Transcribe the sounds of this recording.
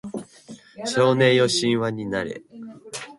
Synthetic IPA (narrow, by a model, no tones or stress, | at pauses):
ɕo̞ːnẽ̞jo̞ɕĩɰ̃βaɲ̟inaɾe̞̰